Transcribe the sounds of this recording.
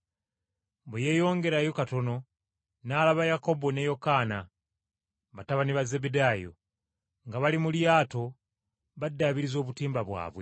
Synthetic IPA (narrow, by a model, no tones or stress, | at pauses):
beje̞ːjo̞ːŋɡe̞ɾajo̞kato̞no | naːlaβajako̞bo̞ne̞jo̞kaːna | βataβaniβazebedaːjo̰ | ŋɡaβalimuljaːto̞ | βadːaːβiɾizo̞ːβutiːmbaβwa̰ːβwe̞